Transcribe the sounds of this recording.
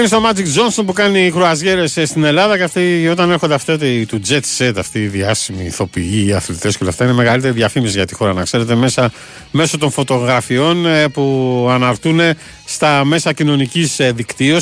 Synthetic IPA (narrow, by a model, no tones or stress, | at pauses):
imist̪omɐd͡zikd͡zo̞nso̞npukɐnixɾoɐzʝe̞ɾe̞sst̪ine̞lɐðɐceft̪io̞t̪ɐnexo̞nd̪eɐft̪et̪et̪ud͡zet̪set̪ɐft̪iːðiɐsimiːθo̞piiːɐθlit̪eskeo̞leɐft̪ɐineme̞ɣɐlit̪e̞ɾiðʝɐfimisizʝɐt̪i̥xo̞ɾɐnɐkse̞ɾe̞t̪e̞me̞sɐ | me̞so̞t̪o̞nfo̞t̪o̞ɣɾɐfio̞npuɐnɐɾt̪une̞ | st̪ɐme̞sɐcino̞nicisðikt̪io̞s